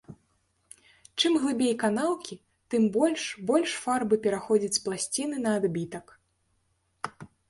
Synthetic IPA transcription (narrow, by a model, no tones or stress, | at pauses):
t͡ʂɨmɣlˠɨbʲejkanaw̪ˠkʲi | t̪ɨmbɔlʲʂbɔlʲʂfarbɨpʲɛɾaxɔd͡zʲɐt͡sʲsplˠasʲt͡sʲinɨnɐːd̪bʲit̪ɐk